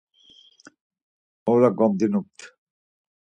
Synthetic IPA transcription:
owlaɡɔmd̪inuk̚t̪ʰ

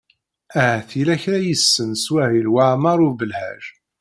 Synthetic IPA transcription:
æθilæçɾæjəsːənswæhilwaʕmɑɾˤʊbəlhæ̰ʒ

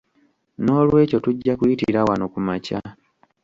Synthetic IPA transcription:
no̞ːlwe̞ːco̞tuɟːakuitḭɾawanokumaca̰

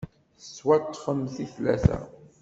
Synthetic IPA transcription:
əsːwæt̪ːfəmθiθlæ̰θæ̰

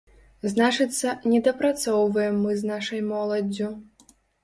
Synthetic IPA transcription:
znat͡ʂɨt̪sːɐnʲɛd̪ɐpɾat̪sɔwvɐjɛmːɨznaʂɐjmɔlˠɐd͡zʲːu

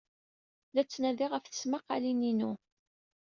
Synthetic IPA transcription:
læt͡sːnæðiʁəfθə̥smaqːalininu

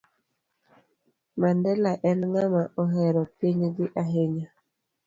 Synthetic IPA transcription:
mandɛlaʔɛnŋamaʔoɦɛɾɔpiɲɡiʔaɦeɲa

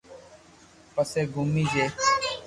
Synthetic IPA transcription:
pəseːɡʱʊmiːd͡ʒeː

